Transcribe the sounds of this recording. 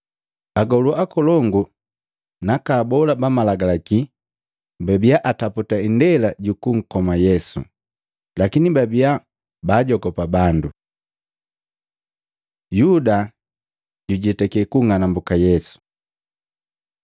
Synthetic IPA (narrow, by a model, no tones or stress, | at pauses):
aɡɔluakɔlɔŋɡu | nakaːbɔlabamalaɡalaki | babiaʔataputaindɛlaɟukuŋ̩kɔmajɛsṵ | lakinibabia | baːɟɔɡɔpabandu | juda | ɟuɟɛtɛkɛkuŋanambukajɛsu̥